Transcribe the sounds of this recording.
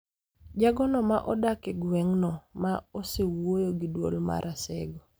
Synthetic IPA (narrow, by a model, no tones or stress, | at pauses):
d͡ʒaɡɔnɔmaʔɔdakɛɡwɛŋnɔmaosewojoɡidwo̰lma̰ɾʔasɛ̰ɡɔ